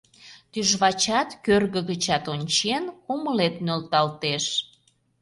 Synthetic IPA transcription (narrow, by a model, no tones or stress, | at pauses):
t̪yʒβɑt͡ɕɑt̪kørɣəɣət͡ɕɑt̪onʲt͡ɕenuməlet̪nølt̪ɑlt̪eʃ